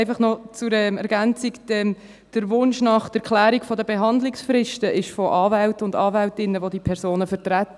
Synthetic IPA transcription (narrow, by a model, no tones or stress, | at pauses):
ɪfɑχnɔt͡sʊɾɛmɛɾɡænt͡sɪkd̥ɛm | d̥əɾʋʊnʃnɑχd̥əɾkʰlæːɾikfɔdəbeɦɑnd̪lɪksfɾɪʃtəʔɪʃfɔʔɑːvæltʊndɑːvæltɪnːəʋodipʰɛɾsoːnəfəɾt̪ɾætː